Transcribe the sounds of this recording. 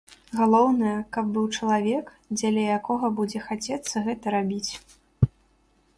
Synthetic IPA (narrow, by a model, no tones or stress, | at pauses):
ɣalˠɔwnɐjɐkɐb̚ːɨwt͡ʂɐlˠavʲɛk | d͡zʲɐlʲɐjakɔɣɐbud͡zʲɛxat͡sʲɛt̪sːɐɣɛt̪ɐɾabʲit͡sʲ